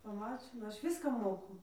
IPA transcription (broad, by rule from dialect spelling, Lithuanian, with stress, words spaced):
pɐˈmɑːt͡ʃʲɪnɐ ˈɐʃ ˈʋʲɪskɑː ˈmoːkʊ